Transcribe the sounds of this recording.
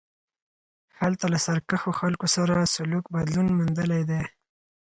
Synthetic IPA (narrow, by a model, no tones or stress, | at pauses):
halt̪alasaɾkaxoxalkosaɾasʊlukbad̪lunmund̪əlejd̪e